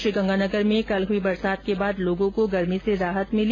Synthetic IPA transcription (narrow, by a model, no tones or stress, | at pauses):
ʃɾiɡɐ̃ŋɡaːnɐɡəɾmẽkɐlɦuibɐɾsaːd̪̚kebaːd̪loːɡõkoɡɐɾmiseɾaːɦət̪mɪl